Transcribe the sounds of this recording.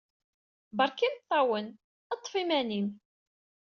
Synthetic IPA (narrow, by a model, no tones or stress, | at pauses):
bəɾˤkinθˤːɑwən | ɑt̪ˤːfimænim